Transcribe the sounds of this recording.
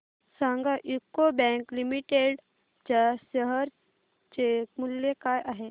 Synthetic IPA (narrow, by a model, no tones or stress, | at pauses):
sãŋɡaʔikːobɛ̃ŋklimiʈeɖ | d͡ʒasəɦəɾ | t͡ʃemuljekajaɦe